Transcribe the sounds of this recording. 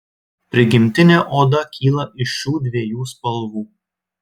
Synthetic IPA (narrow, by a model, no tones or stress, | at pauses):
pʲɾʲɪɡʲɪmʲt̪ʲɪnʲeʔoːd̪ɐkʲʰiːlˠɐʔɪʃuːd̪ʲʋʲiɛjuːspɐlˠʋuː